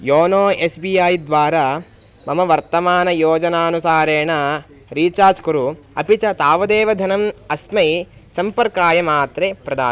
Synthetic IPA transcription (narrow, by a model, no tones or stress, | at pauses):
joːnoːesbijaːjd̪ʋaːɾaː | mɐmɐʋɐɾt̪ɐmaːnɐjoːd͡ʒɐnaːnusaːɾeːɳɐ | ɾiːt͡ʃaːskuɾu | ɐ̰pit͡ʃɐt̪aːʋɐd̪eːʋɐd̪ʱɐnɐmɐsmɐj | sɐmpɐɾkaːjɐmaːt̪ɾepɾɐd̪a̰ː